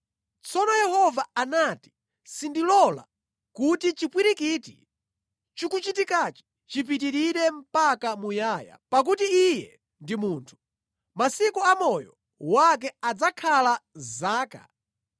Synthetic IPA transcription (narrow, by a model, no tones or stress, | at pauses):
t͡sɔnɔjɛhɔvaanati̥ | sindilɔla̰ | kutit͡ʃipwiɾikitḭ | t͡ʃikut͡ʃitikat͡ʃi̥ | t͡ʃip̬it̬iɾiɾɛm̩pakamujaːja̰pak̬utiːjɛ̰ | ndimuːntʰu̥ | masikɔamɔjɔ | wak̬ɛad͡zakʰalazaːka̰